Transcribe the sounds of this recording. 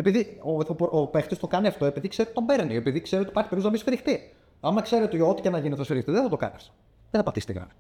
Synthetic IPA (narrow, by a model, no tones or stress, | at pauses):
epiðioθɐpopext̪ist̪o̞kɐniɐft̪o̞e̞piðikseɾet̪t̪ombeɾeniepiðikse̞ɾeot̪ipɐɾçi̥peɾuznɐmisfɾixt̪i | ɐmɐkse̞ɾet̪iot̪i̥cenɐʝineθɐsfiɾixt̪iðeθɐt̪okɐ̰niɐ̰ft̪o̥ | ðeθɐpɐt̪isit̪ḭɣɐ̰n